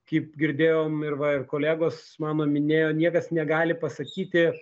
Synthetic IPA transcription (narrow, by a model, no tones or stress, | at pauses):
kɐɪp̚ɡʲɪɾʲd̪ʲeːjoːmɪrʋɐɪrkoːlʲæːɡoːsmɑːnoːmʲɪnʲeːjoːnʲiɛkɐsnʲɛɡɑːlʲɪpɐsɐkʲiːt̪ʲɪ